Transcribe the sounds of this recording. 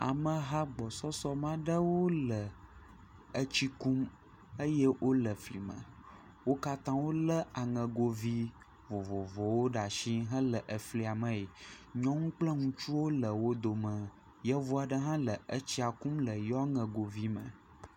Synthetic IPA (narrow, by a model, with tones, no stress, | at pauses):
a̰˨mə̃˨ɦa˦ɡ͡bɔ˨sɔ˦sɔ˦mã˦ɖə˦wo˦lə˨ | ə˦t͡ɕi˦kũ˦m | ə˦jɛ˦wʔo˦lə˨fli˨mə̰̃˨ | wo˦ka˦t̪ã˦wo˦lə˦a˨ŋə̃˨ɡo˨vi˦ | vo˨vɔ˨vɔ˨wo˦ɖa˨ʃĩ˦ɦə̃˦lə˨ʔə˨fli˨a˨mə̃˦i˨ | ɲɔ̃˦ŋũ˦k͡plə˦ŋũ˦t͡ʃu˦wo˦lə˨wo˦d̪o˨mə̃˨ | jɛ˦vo˦a˨ɖə˦ɦã˦lə˨ʔə˦t͡ɕi˦a˨kũ˦mlə˨jɔ˦ŋə̃˨ɡo˨vi˦mə̰̃˨